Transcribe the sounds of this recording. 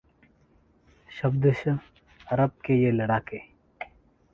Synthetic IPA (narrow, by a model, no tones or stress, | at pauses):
ʃɐbd̪əʃ | ɐɾɐb̚kejelɐɽaːkeː